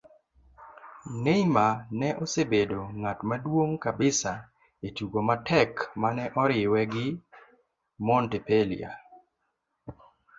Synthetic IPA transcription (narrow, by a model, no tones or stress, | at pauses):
nejmanɛʔosebedoŋatmadwoŋkabɪsa | etuɡomatɛkmanɛʔɔɾɪwɛɡɪ | mɔntɛpelḭa̰